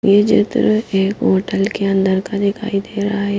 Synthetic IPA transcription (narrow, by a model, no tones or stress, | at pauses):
jed͡ʒɪ̰t̪ɾeːkɦoːʈəlkeɐ̃nd̪əɾkad̪ɪkʰa̰ːid̪eːɾaaɦɛː